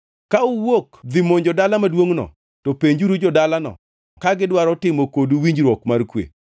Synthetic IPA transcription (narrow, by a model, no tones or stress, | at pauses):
kauwokd̪ɪmoɲd͡ʒɔdalamadwoŋnɔ̰ | tɔpeɲd͡ʒuɾud͡ʒɔdalanɔ̰ | kaɡɪdwaɾɔtɪmokoduwiɲd͡ʒɾwɔkmarkwḛ